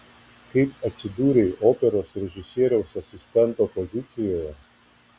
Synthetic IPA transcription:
xipasid̪uːɾiʔopɛɾɔsɾɛʒisiːɾɔwsasist̪ɛnt̪ɔpɔzit̪sijɔj

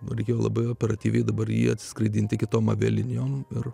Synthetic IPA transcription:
ʊɾʲɛɪkʲeːjoːlˠɐ̰bɐɪoːpʲɛɾɐt̪ʲiːʋʲɛɪd̪ɐbɐɾjḭːɐt̪ʲsʲɪ̥skɾɐɪd̪ʲiːnt̪ʲɪkʲɪt̪oːmɐʋʲɛ̰lʲɪnʲjoːmɪr

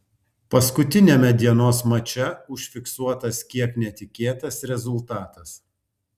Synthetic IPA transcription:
pɐskʊt̪ʲɪnʲeːmʲɛd̪ʲiɛnoːsmɐt͡ʃʲɛʊʃʲfʲɪksuɔt̪ɐskʲiɛknʲɛt̪ʲɪkʲeːt̪ɐsɾʲɛzʊlˠt̪ɑːt̪ɐs

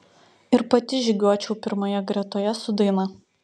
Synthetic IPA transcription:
ɪɾpɐt̪ʲɪʒʲɪɡʲuɔt͡ʃʲɛʊpʲɪɾmoːjɛɡɾʲɛt̪oːjɛsʊd̪ɐɪnɐ

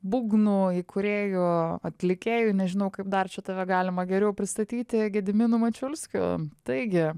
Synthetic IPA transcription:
buːɡnuːikʊɾʲeːjuːɐt̪ʲlʲɪkʲeːjunʲɛʒʲɪnɐʊkɐɪp̚d̪ɐrt͡ʃʲɛt̪ɐʋʲɛɡɑːlʲɪmɐɡʲɛɾʲɛʊpʲɾʲɪst̪ɐt̪ʲiːt̪ʲɪɡʲɛd̪ʲɪmʲɪnʊmɐt͡ʃʲʊlʲsʲkʲʊ̰ːt̪ɐɪɡʲɪ

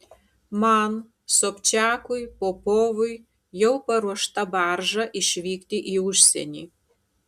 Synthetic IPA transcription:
mɐn | soːpʲt͡ʃʲæːkʊjpoːpoːʋʊj | jɛʊpɐɾuɔʃt̪ɐbɑɾʒɐʔɪʃʲʋʲiːkt̪ʲɪʔiːʊʃʲsʲɛ̰nʲḭː

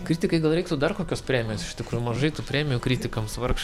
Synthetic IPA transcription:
kɾʲiːt̪ʲɪkɐɪɡɐlˠɾɛɪkt̪ud̪ɐrkoːkʲoːspʲɾʲæːmʲɪjoːsɪʃʲt̪ʲɪkɾuːjumɐʒɐɪt̪upʲɾʲæːmʲɪjuːkɾʲiːt̪ʲɪkɐmsʋɐrkʃ

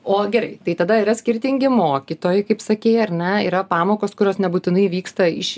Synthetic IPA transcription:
oːɡʲɛɾɐɪt̪ɐɪt̪ɐd̪ɐiːɾɐsʲkʲɪɾʲt̪ʲɪŋʲɡʲɪmoːkʲiːt̪oːjɛɪkɐɪpsɐkʲeːɐɾnʲɛiːɾɐpɑːmoːkoːskʊɾʲoːsnʲɛbuːt̪ʲɪnɐɪʋʲiːkst̪ɐɪʃ

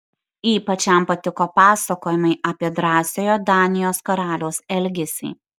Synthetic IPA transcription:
iːpɐt͡ʃʲɛˑmpɐt̪ʲɪkoːpɑːsɐkoːjɪmɐɪʔɐːpʲiɛd̪ɾɑːsʲoːjod̪ɑːnʲɪjoːskɐɾɑːlʲoːsɛlʲɡʲɛsʲḭː

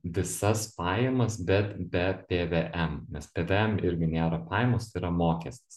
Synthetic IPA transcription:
ʋʲɪsɐspɑːjɛmɐsbʲɛt̪bʲɛpʲeːʋʲeʔɛmnʲɛspʲeːʋʲeɛmɪɾʲɡʲɪnʲeːɾɐpɑːjɛmoːsiːɾɐmoːkʲɛsʲt̪ʲɪ̥s

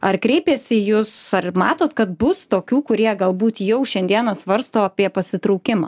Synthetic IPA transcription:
ɐrkɾʲɛɪpʲeːsʲɪjʊsɐrmɑːt̪oːt̪kɐt̪bʊst̪oːkʲuːkʊɾʲiɛɡɐlˠbuːt̪jɛʊʃʲɛnʲd̪ʲiɛnɐsʋɐɾst̪oːɐpʲiɛpɐsʲɪt̪ɾɔʊkʲɪmɐ̰

